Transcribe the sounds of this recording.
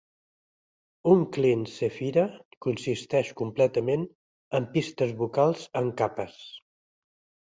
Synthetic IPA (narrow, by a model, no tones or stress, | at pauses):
uŋklensəfiɾəkunsist̪ɛʃkumplɛt̪əmen | əmpist̪əzβukalˠzəŋkapəs